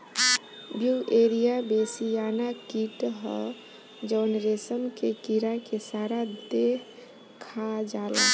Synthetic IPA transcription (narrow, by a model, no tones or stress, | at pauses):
bjuʔeɾijabesijanakiʈɦə̰ | d͡ʒəʊnɾesəmkekiɾakesaɾad̪eɦ | kʰad͡ʒalə